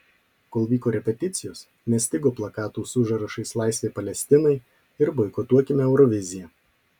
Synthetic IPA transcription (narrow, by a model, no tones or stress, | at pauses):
koːlˠʋʲiːkoːɾʲɛpʲɛt̪ʲɪt̪sʲɪjoːs | nʲɛsʲt̪ʲɪɡoːplˠɐkɑːt̪uːsʊʒɐɾɐʃɐɪslˠɑˑɪsʲʋʲeːpɐlʲɛsʲt̪ʲɪnɐɪ | ɪɾbɔɪkot̪uɔkʲɪmʲɛɛʊɾɔʋʲɪzʲɪjɛ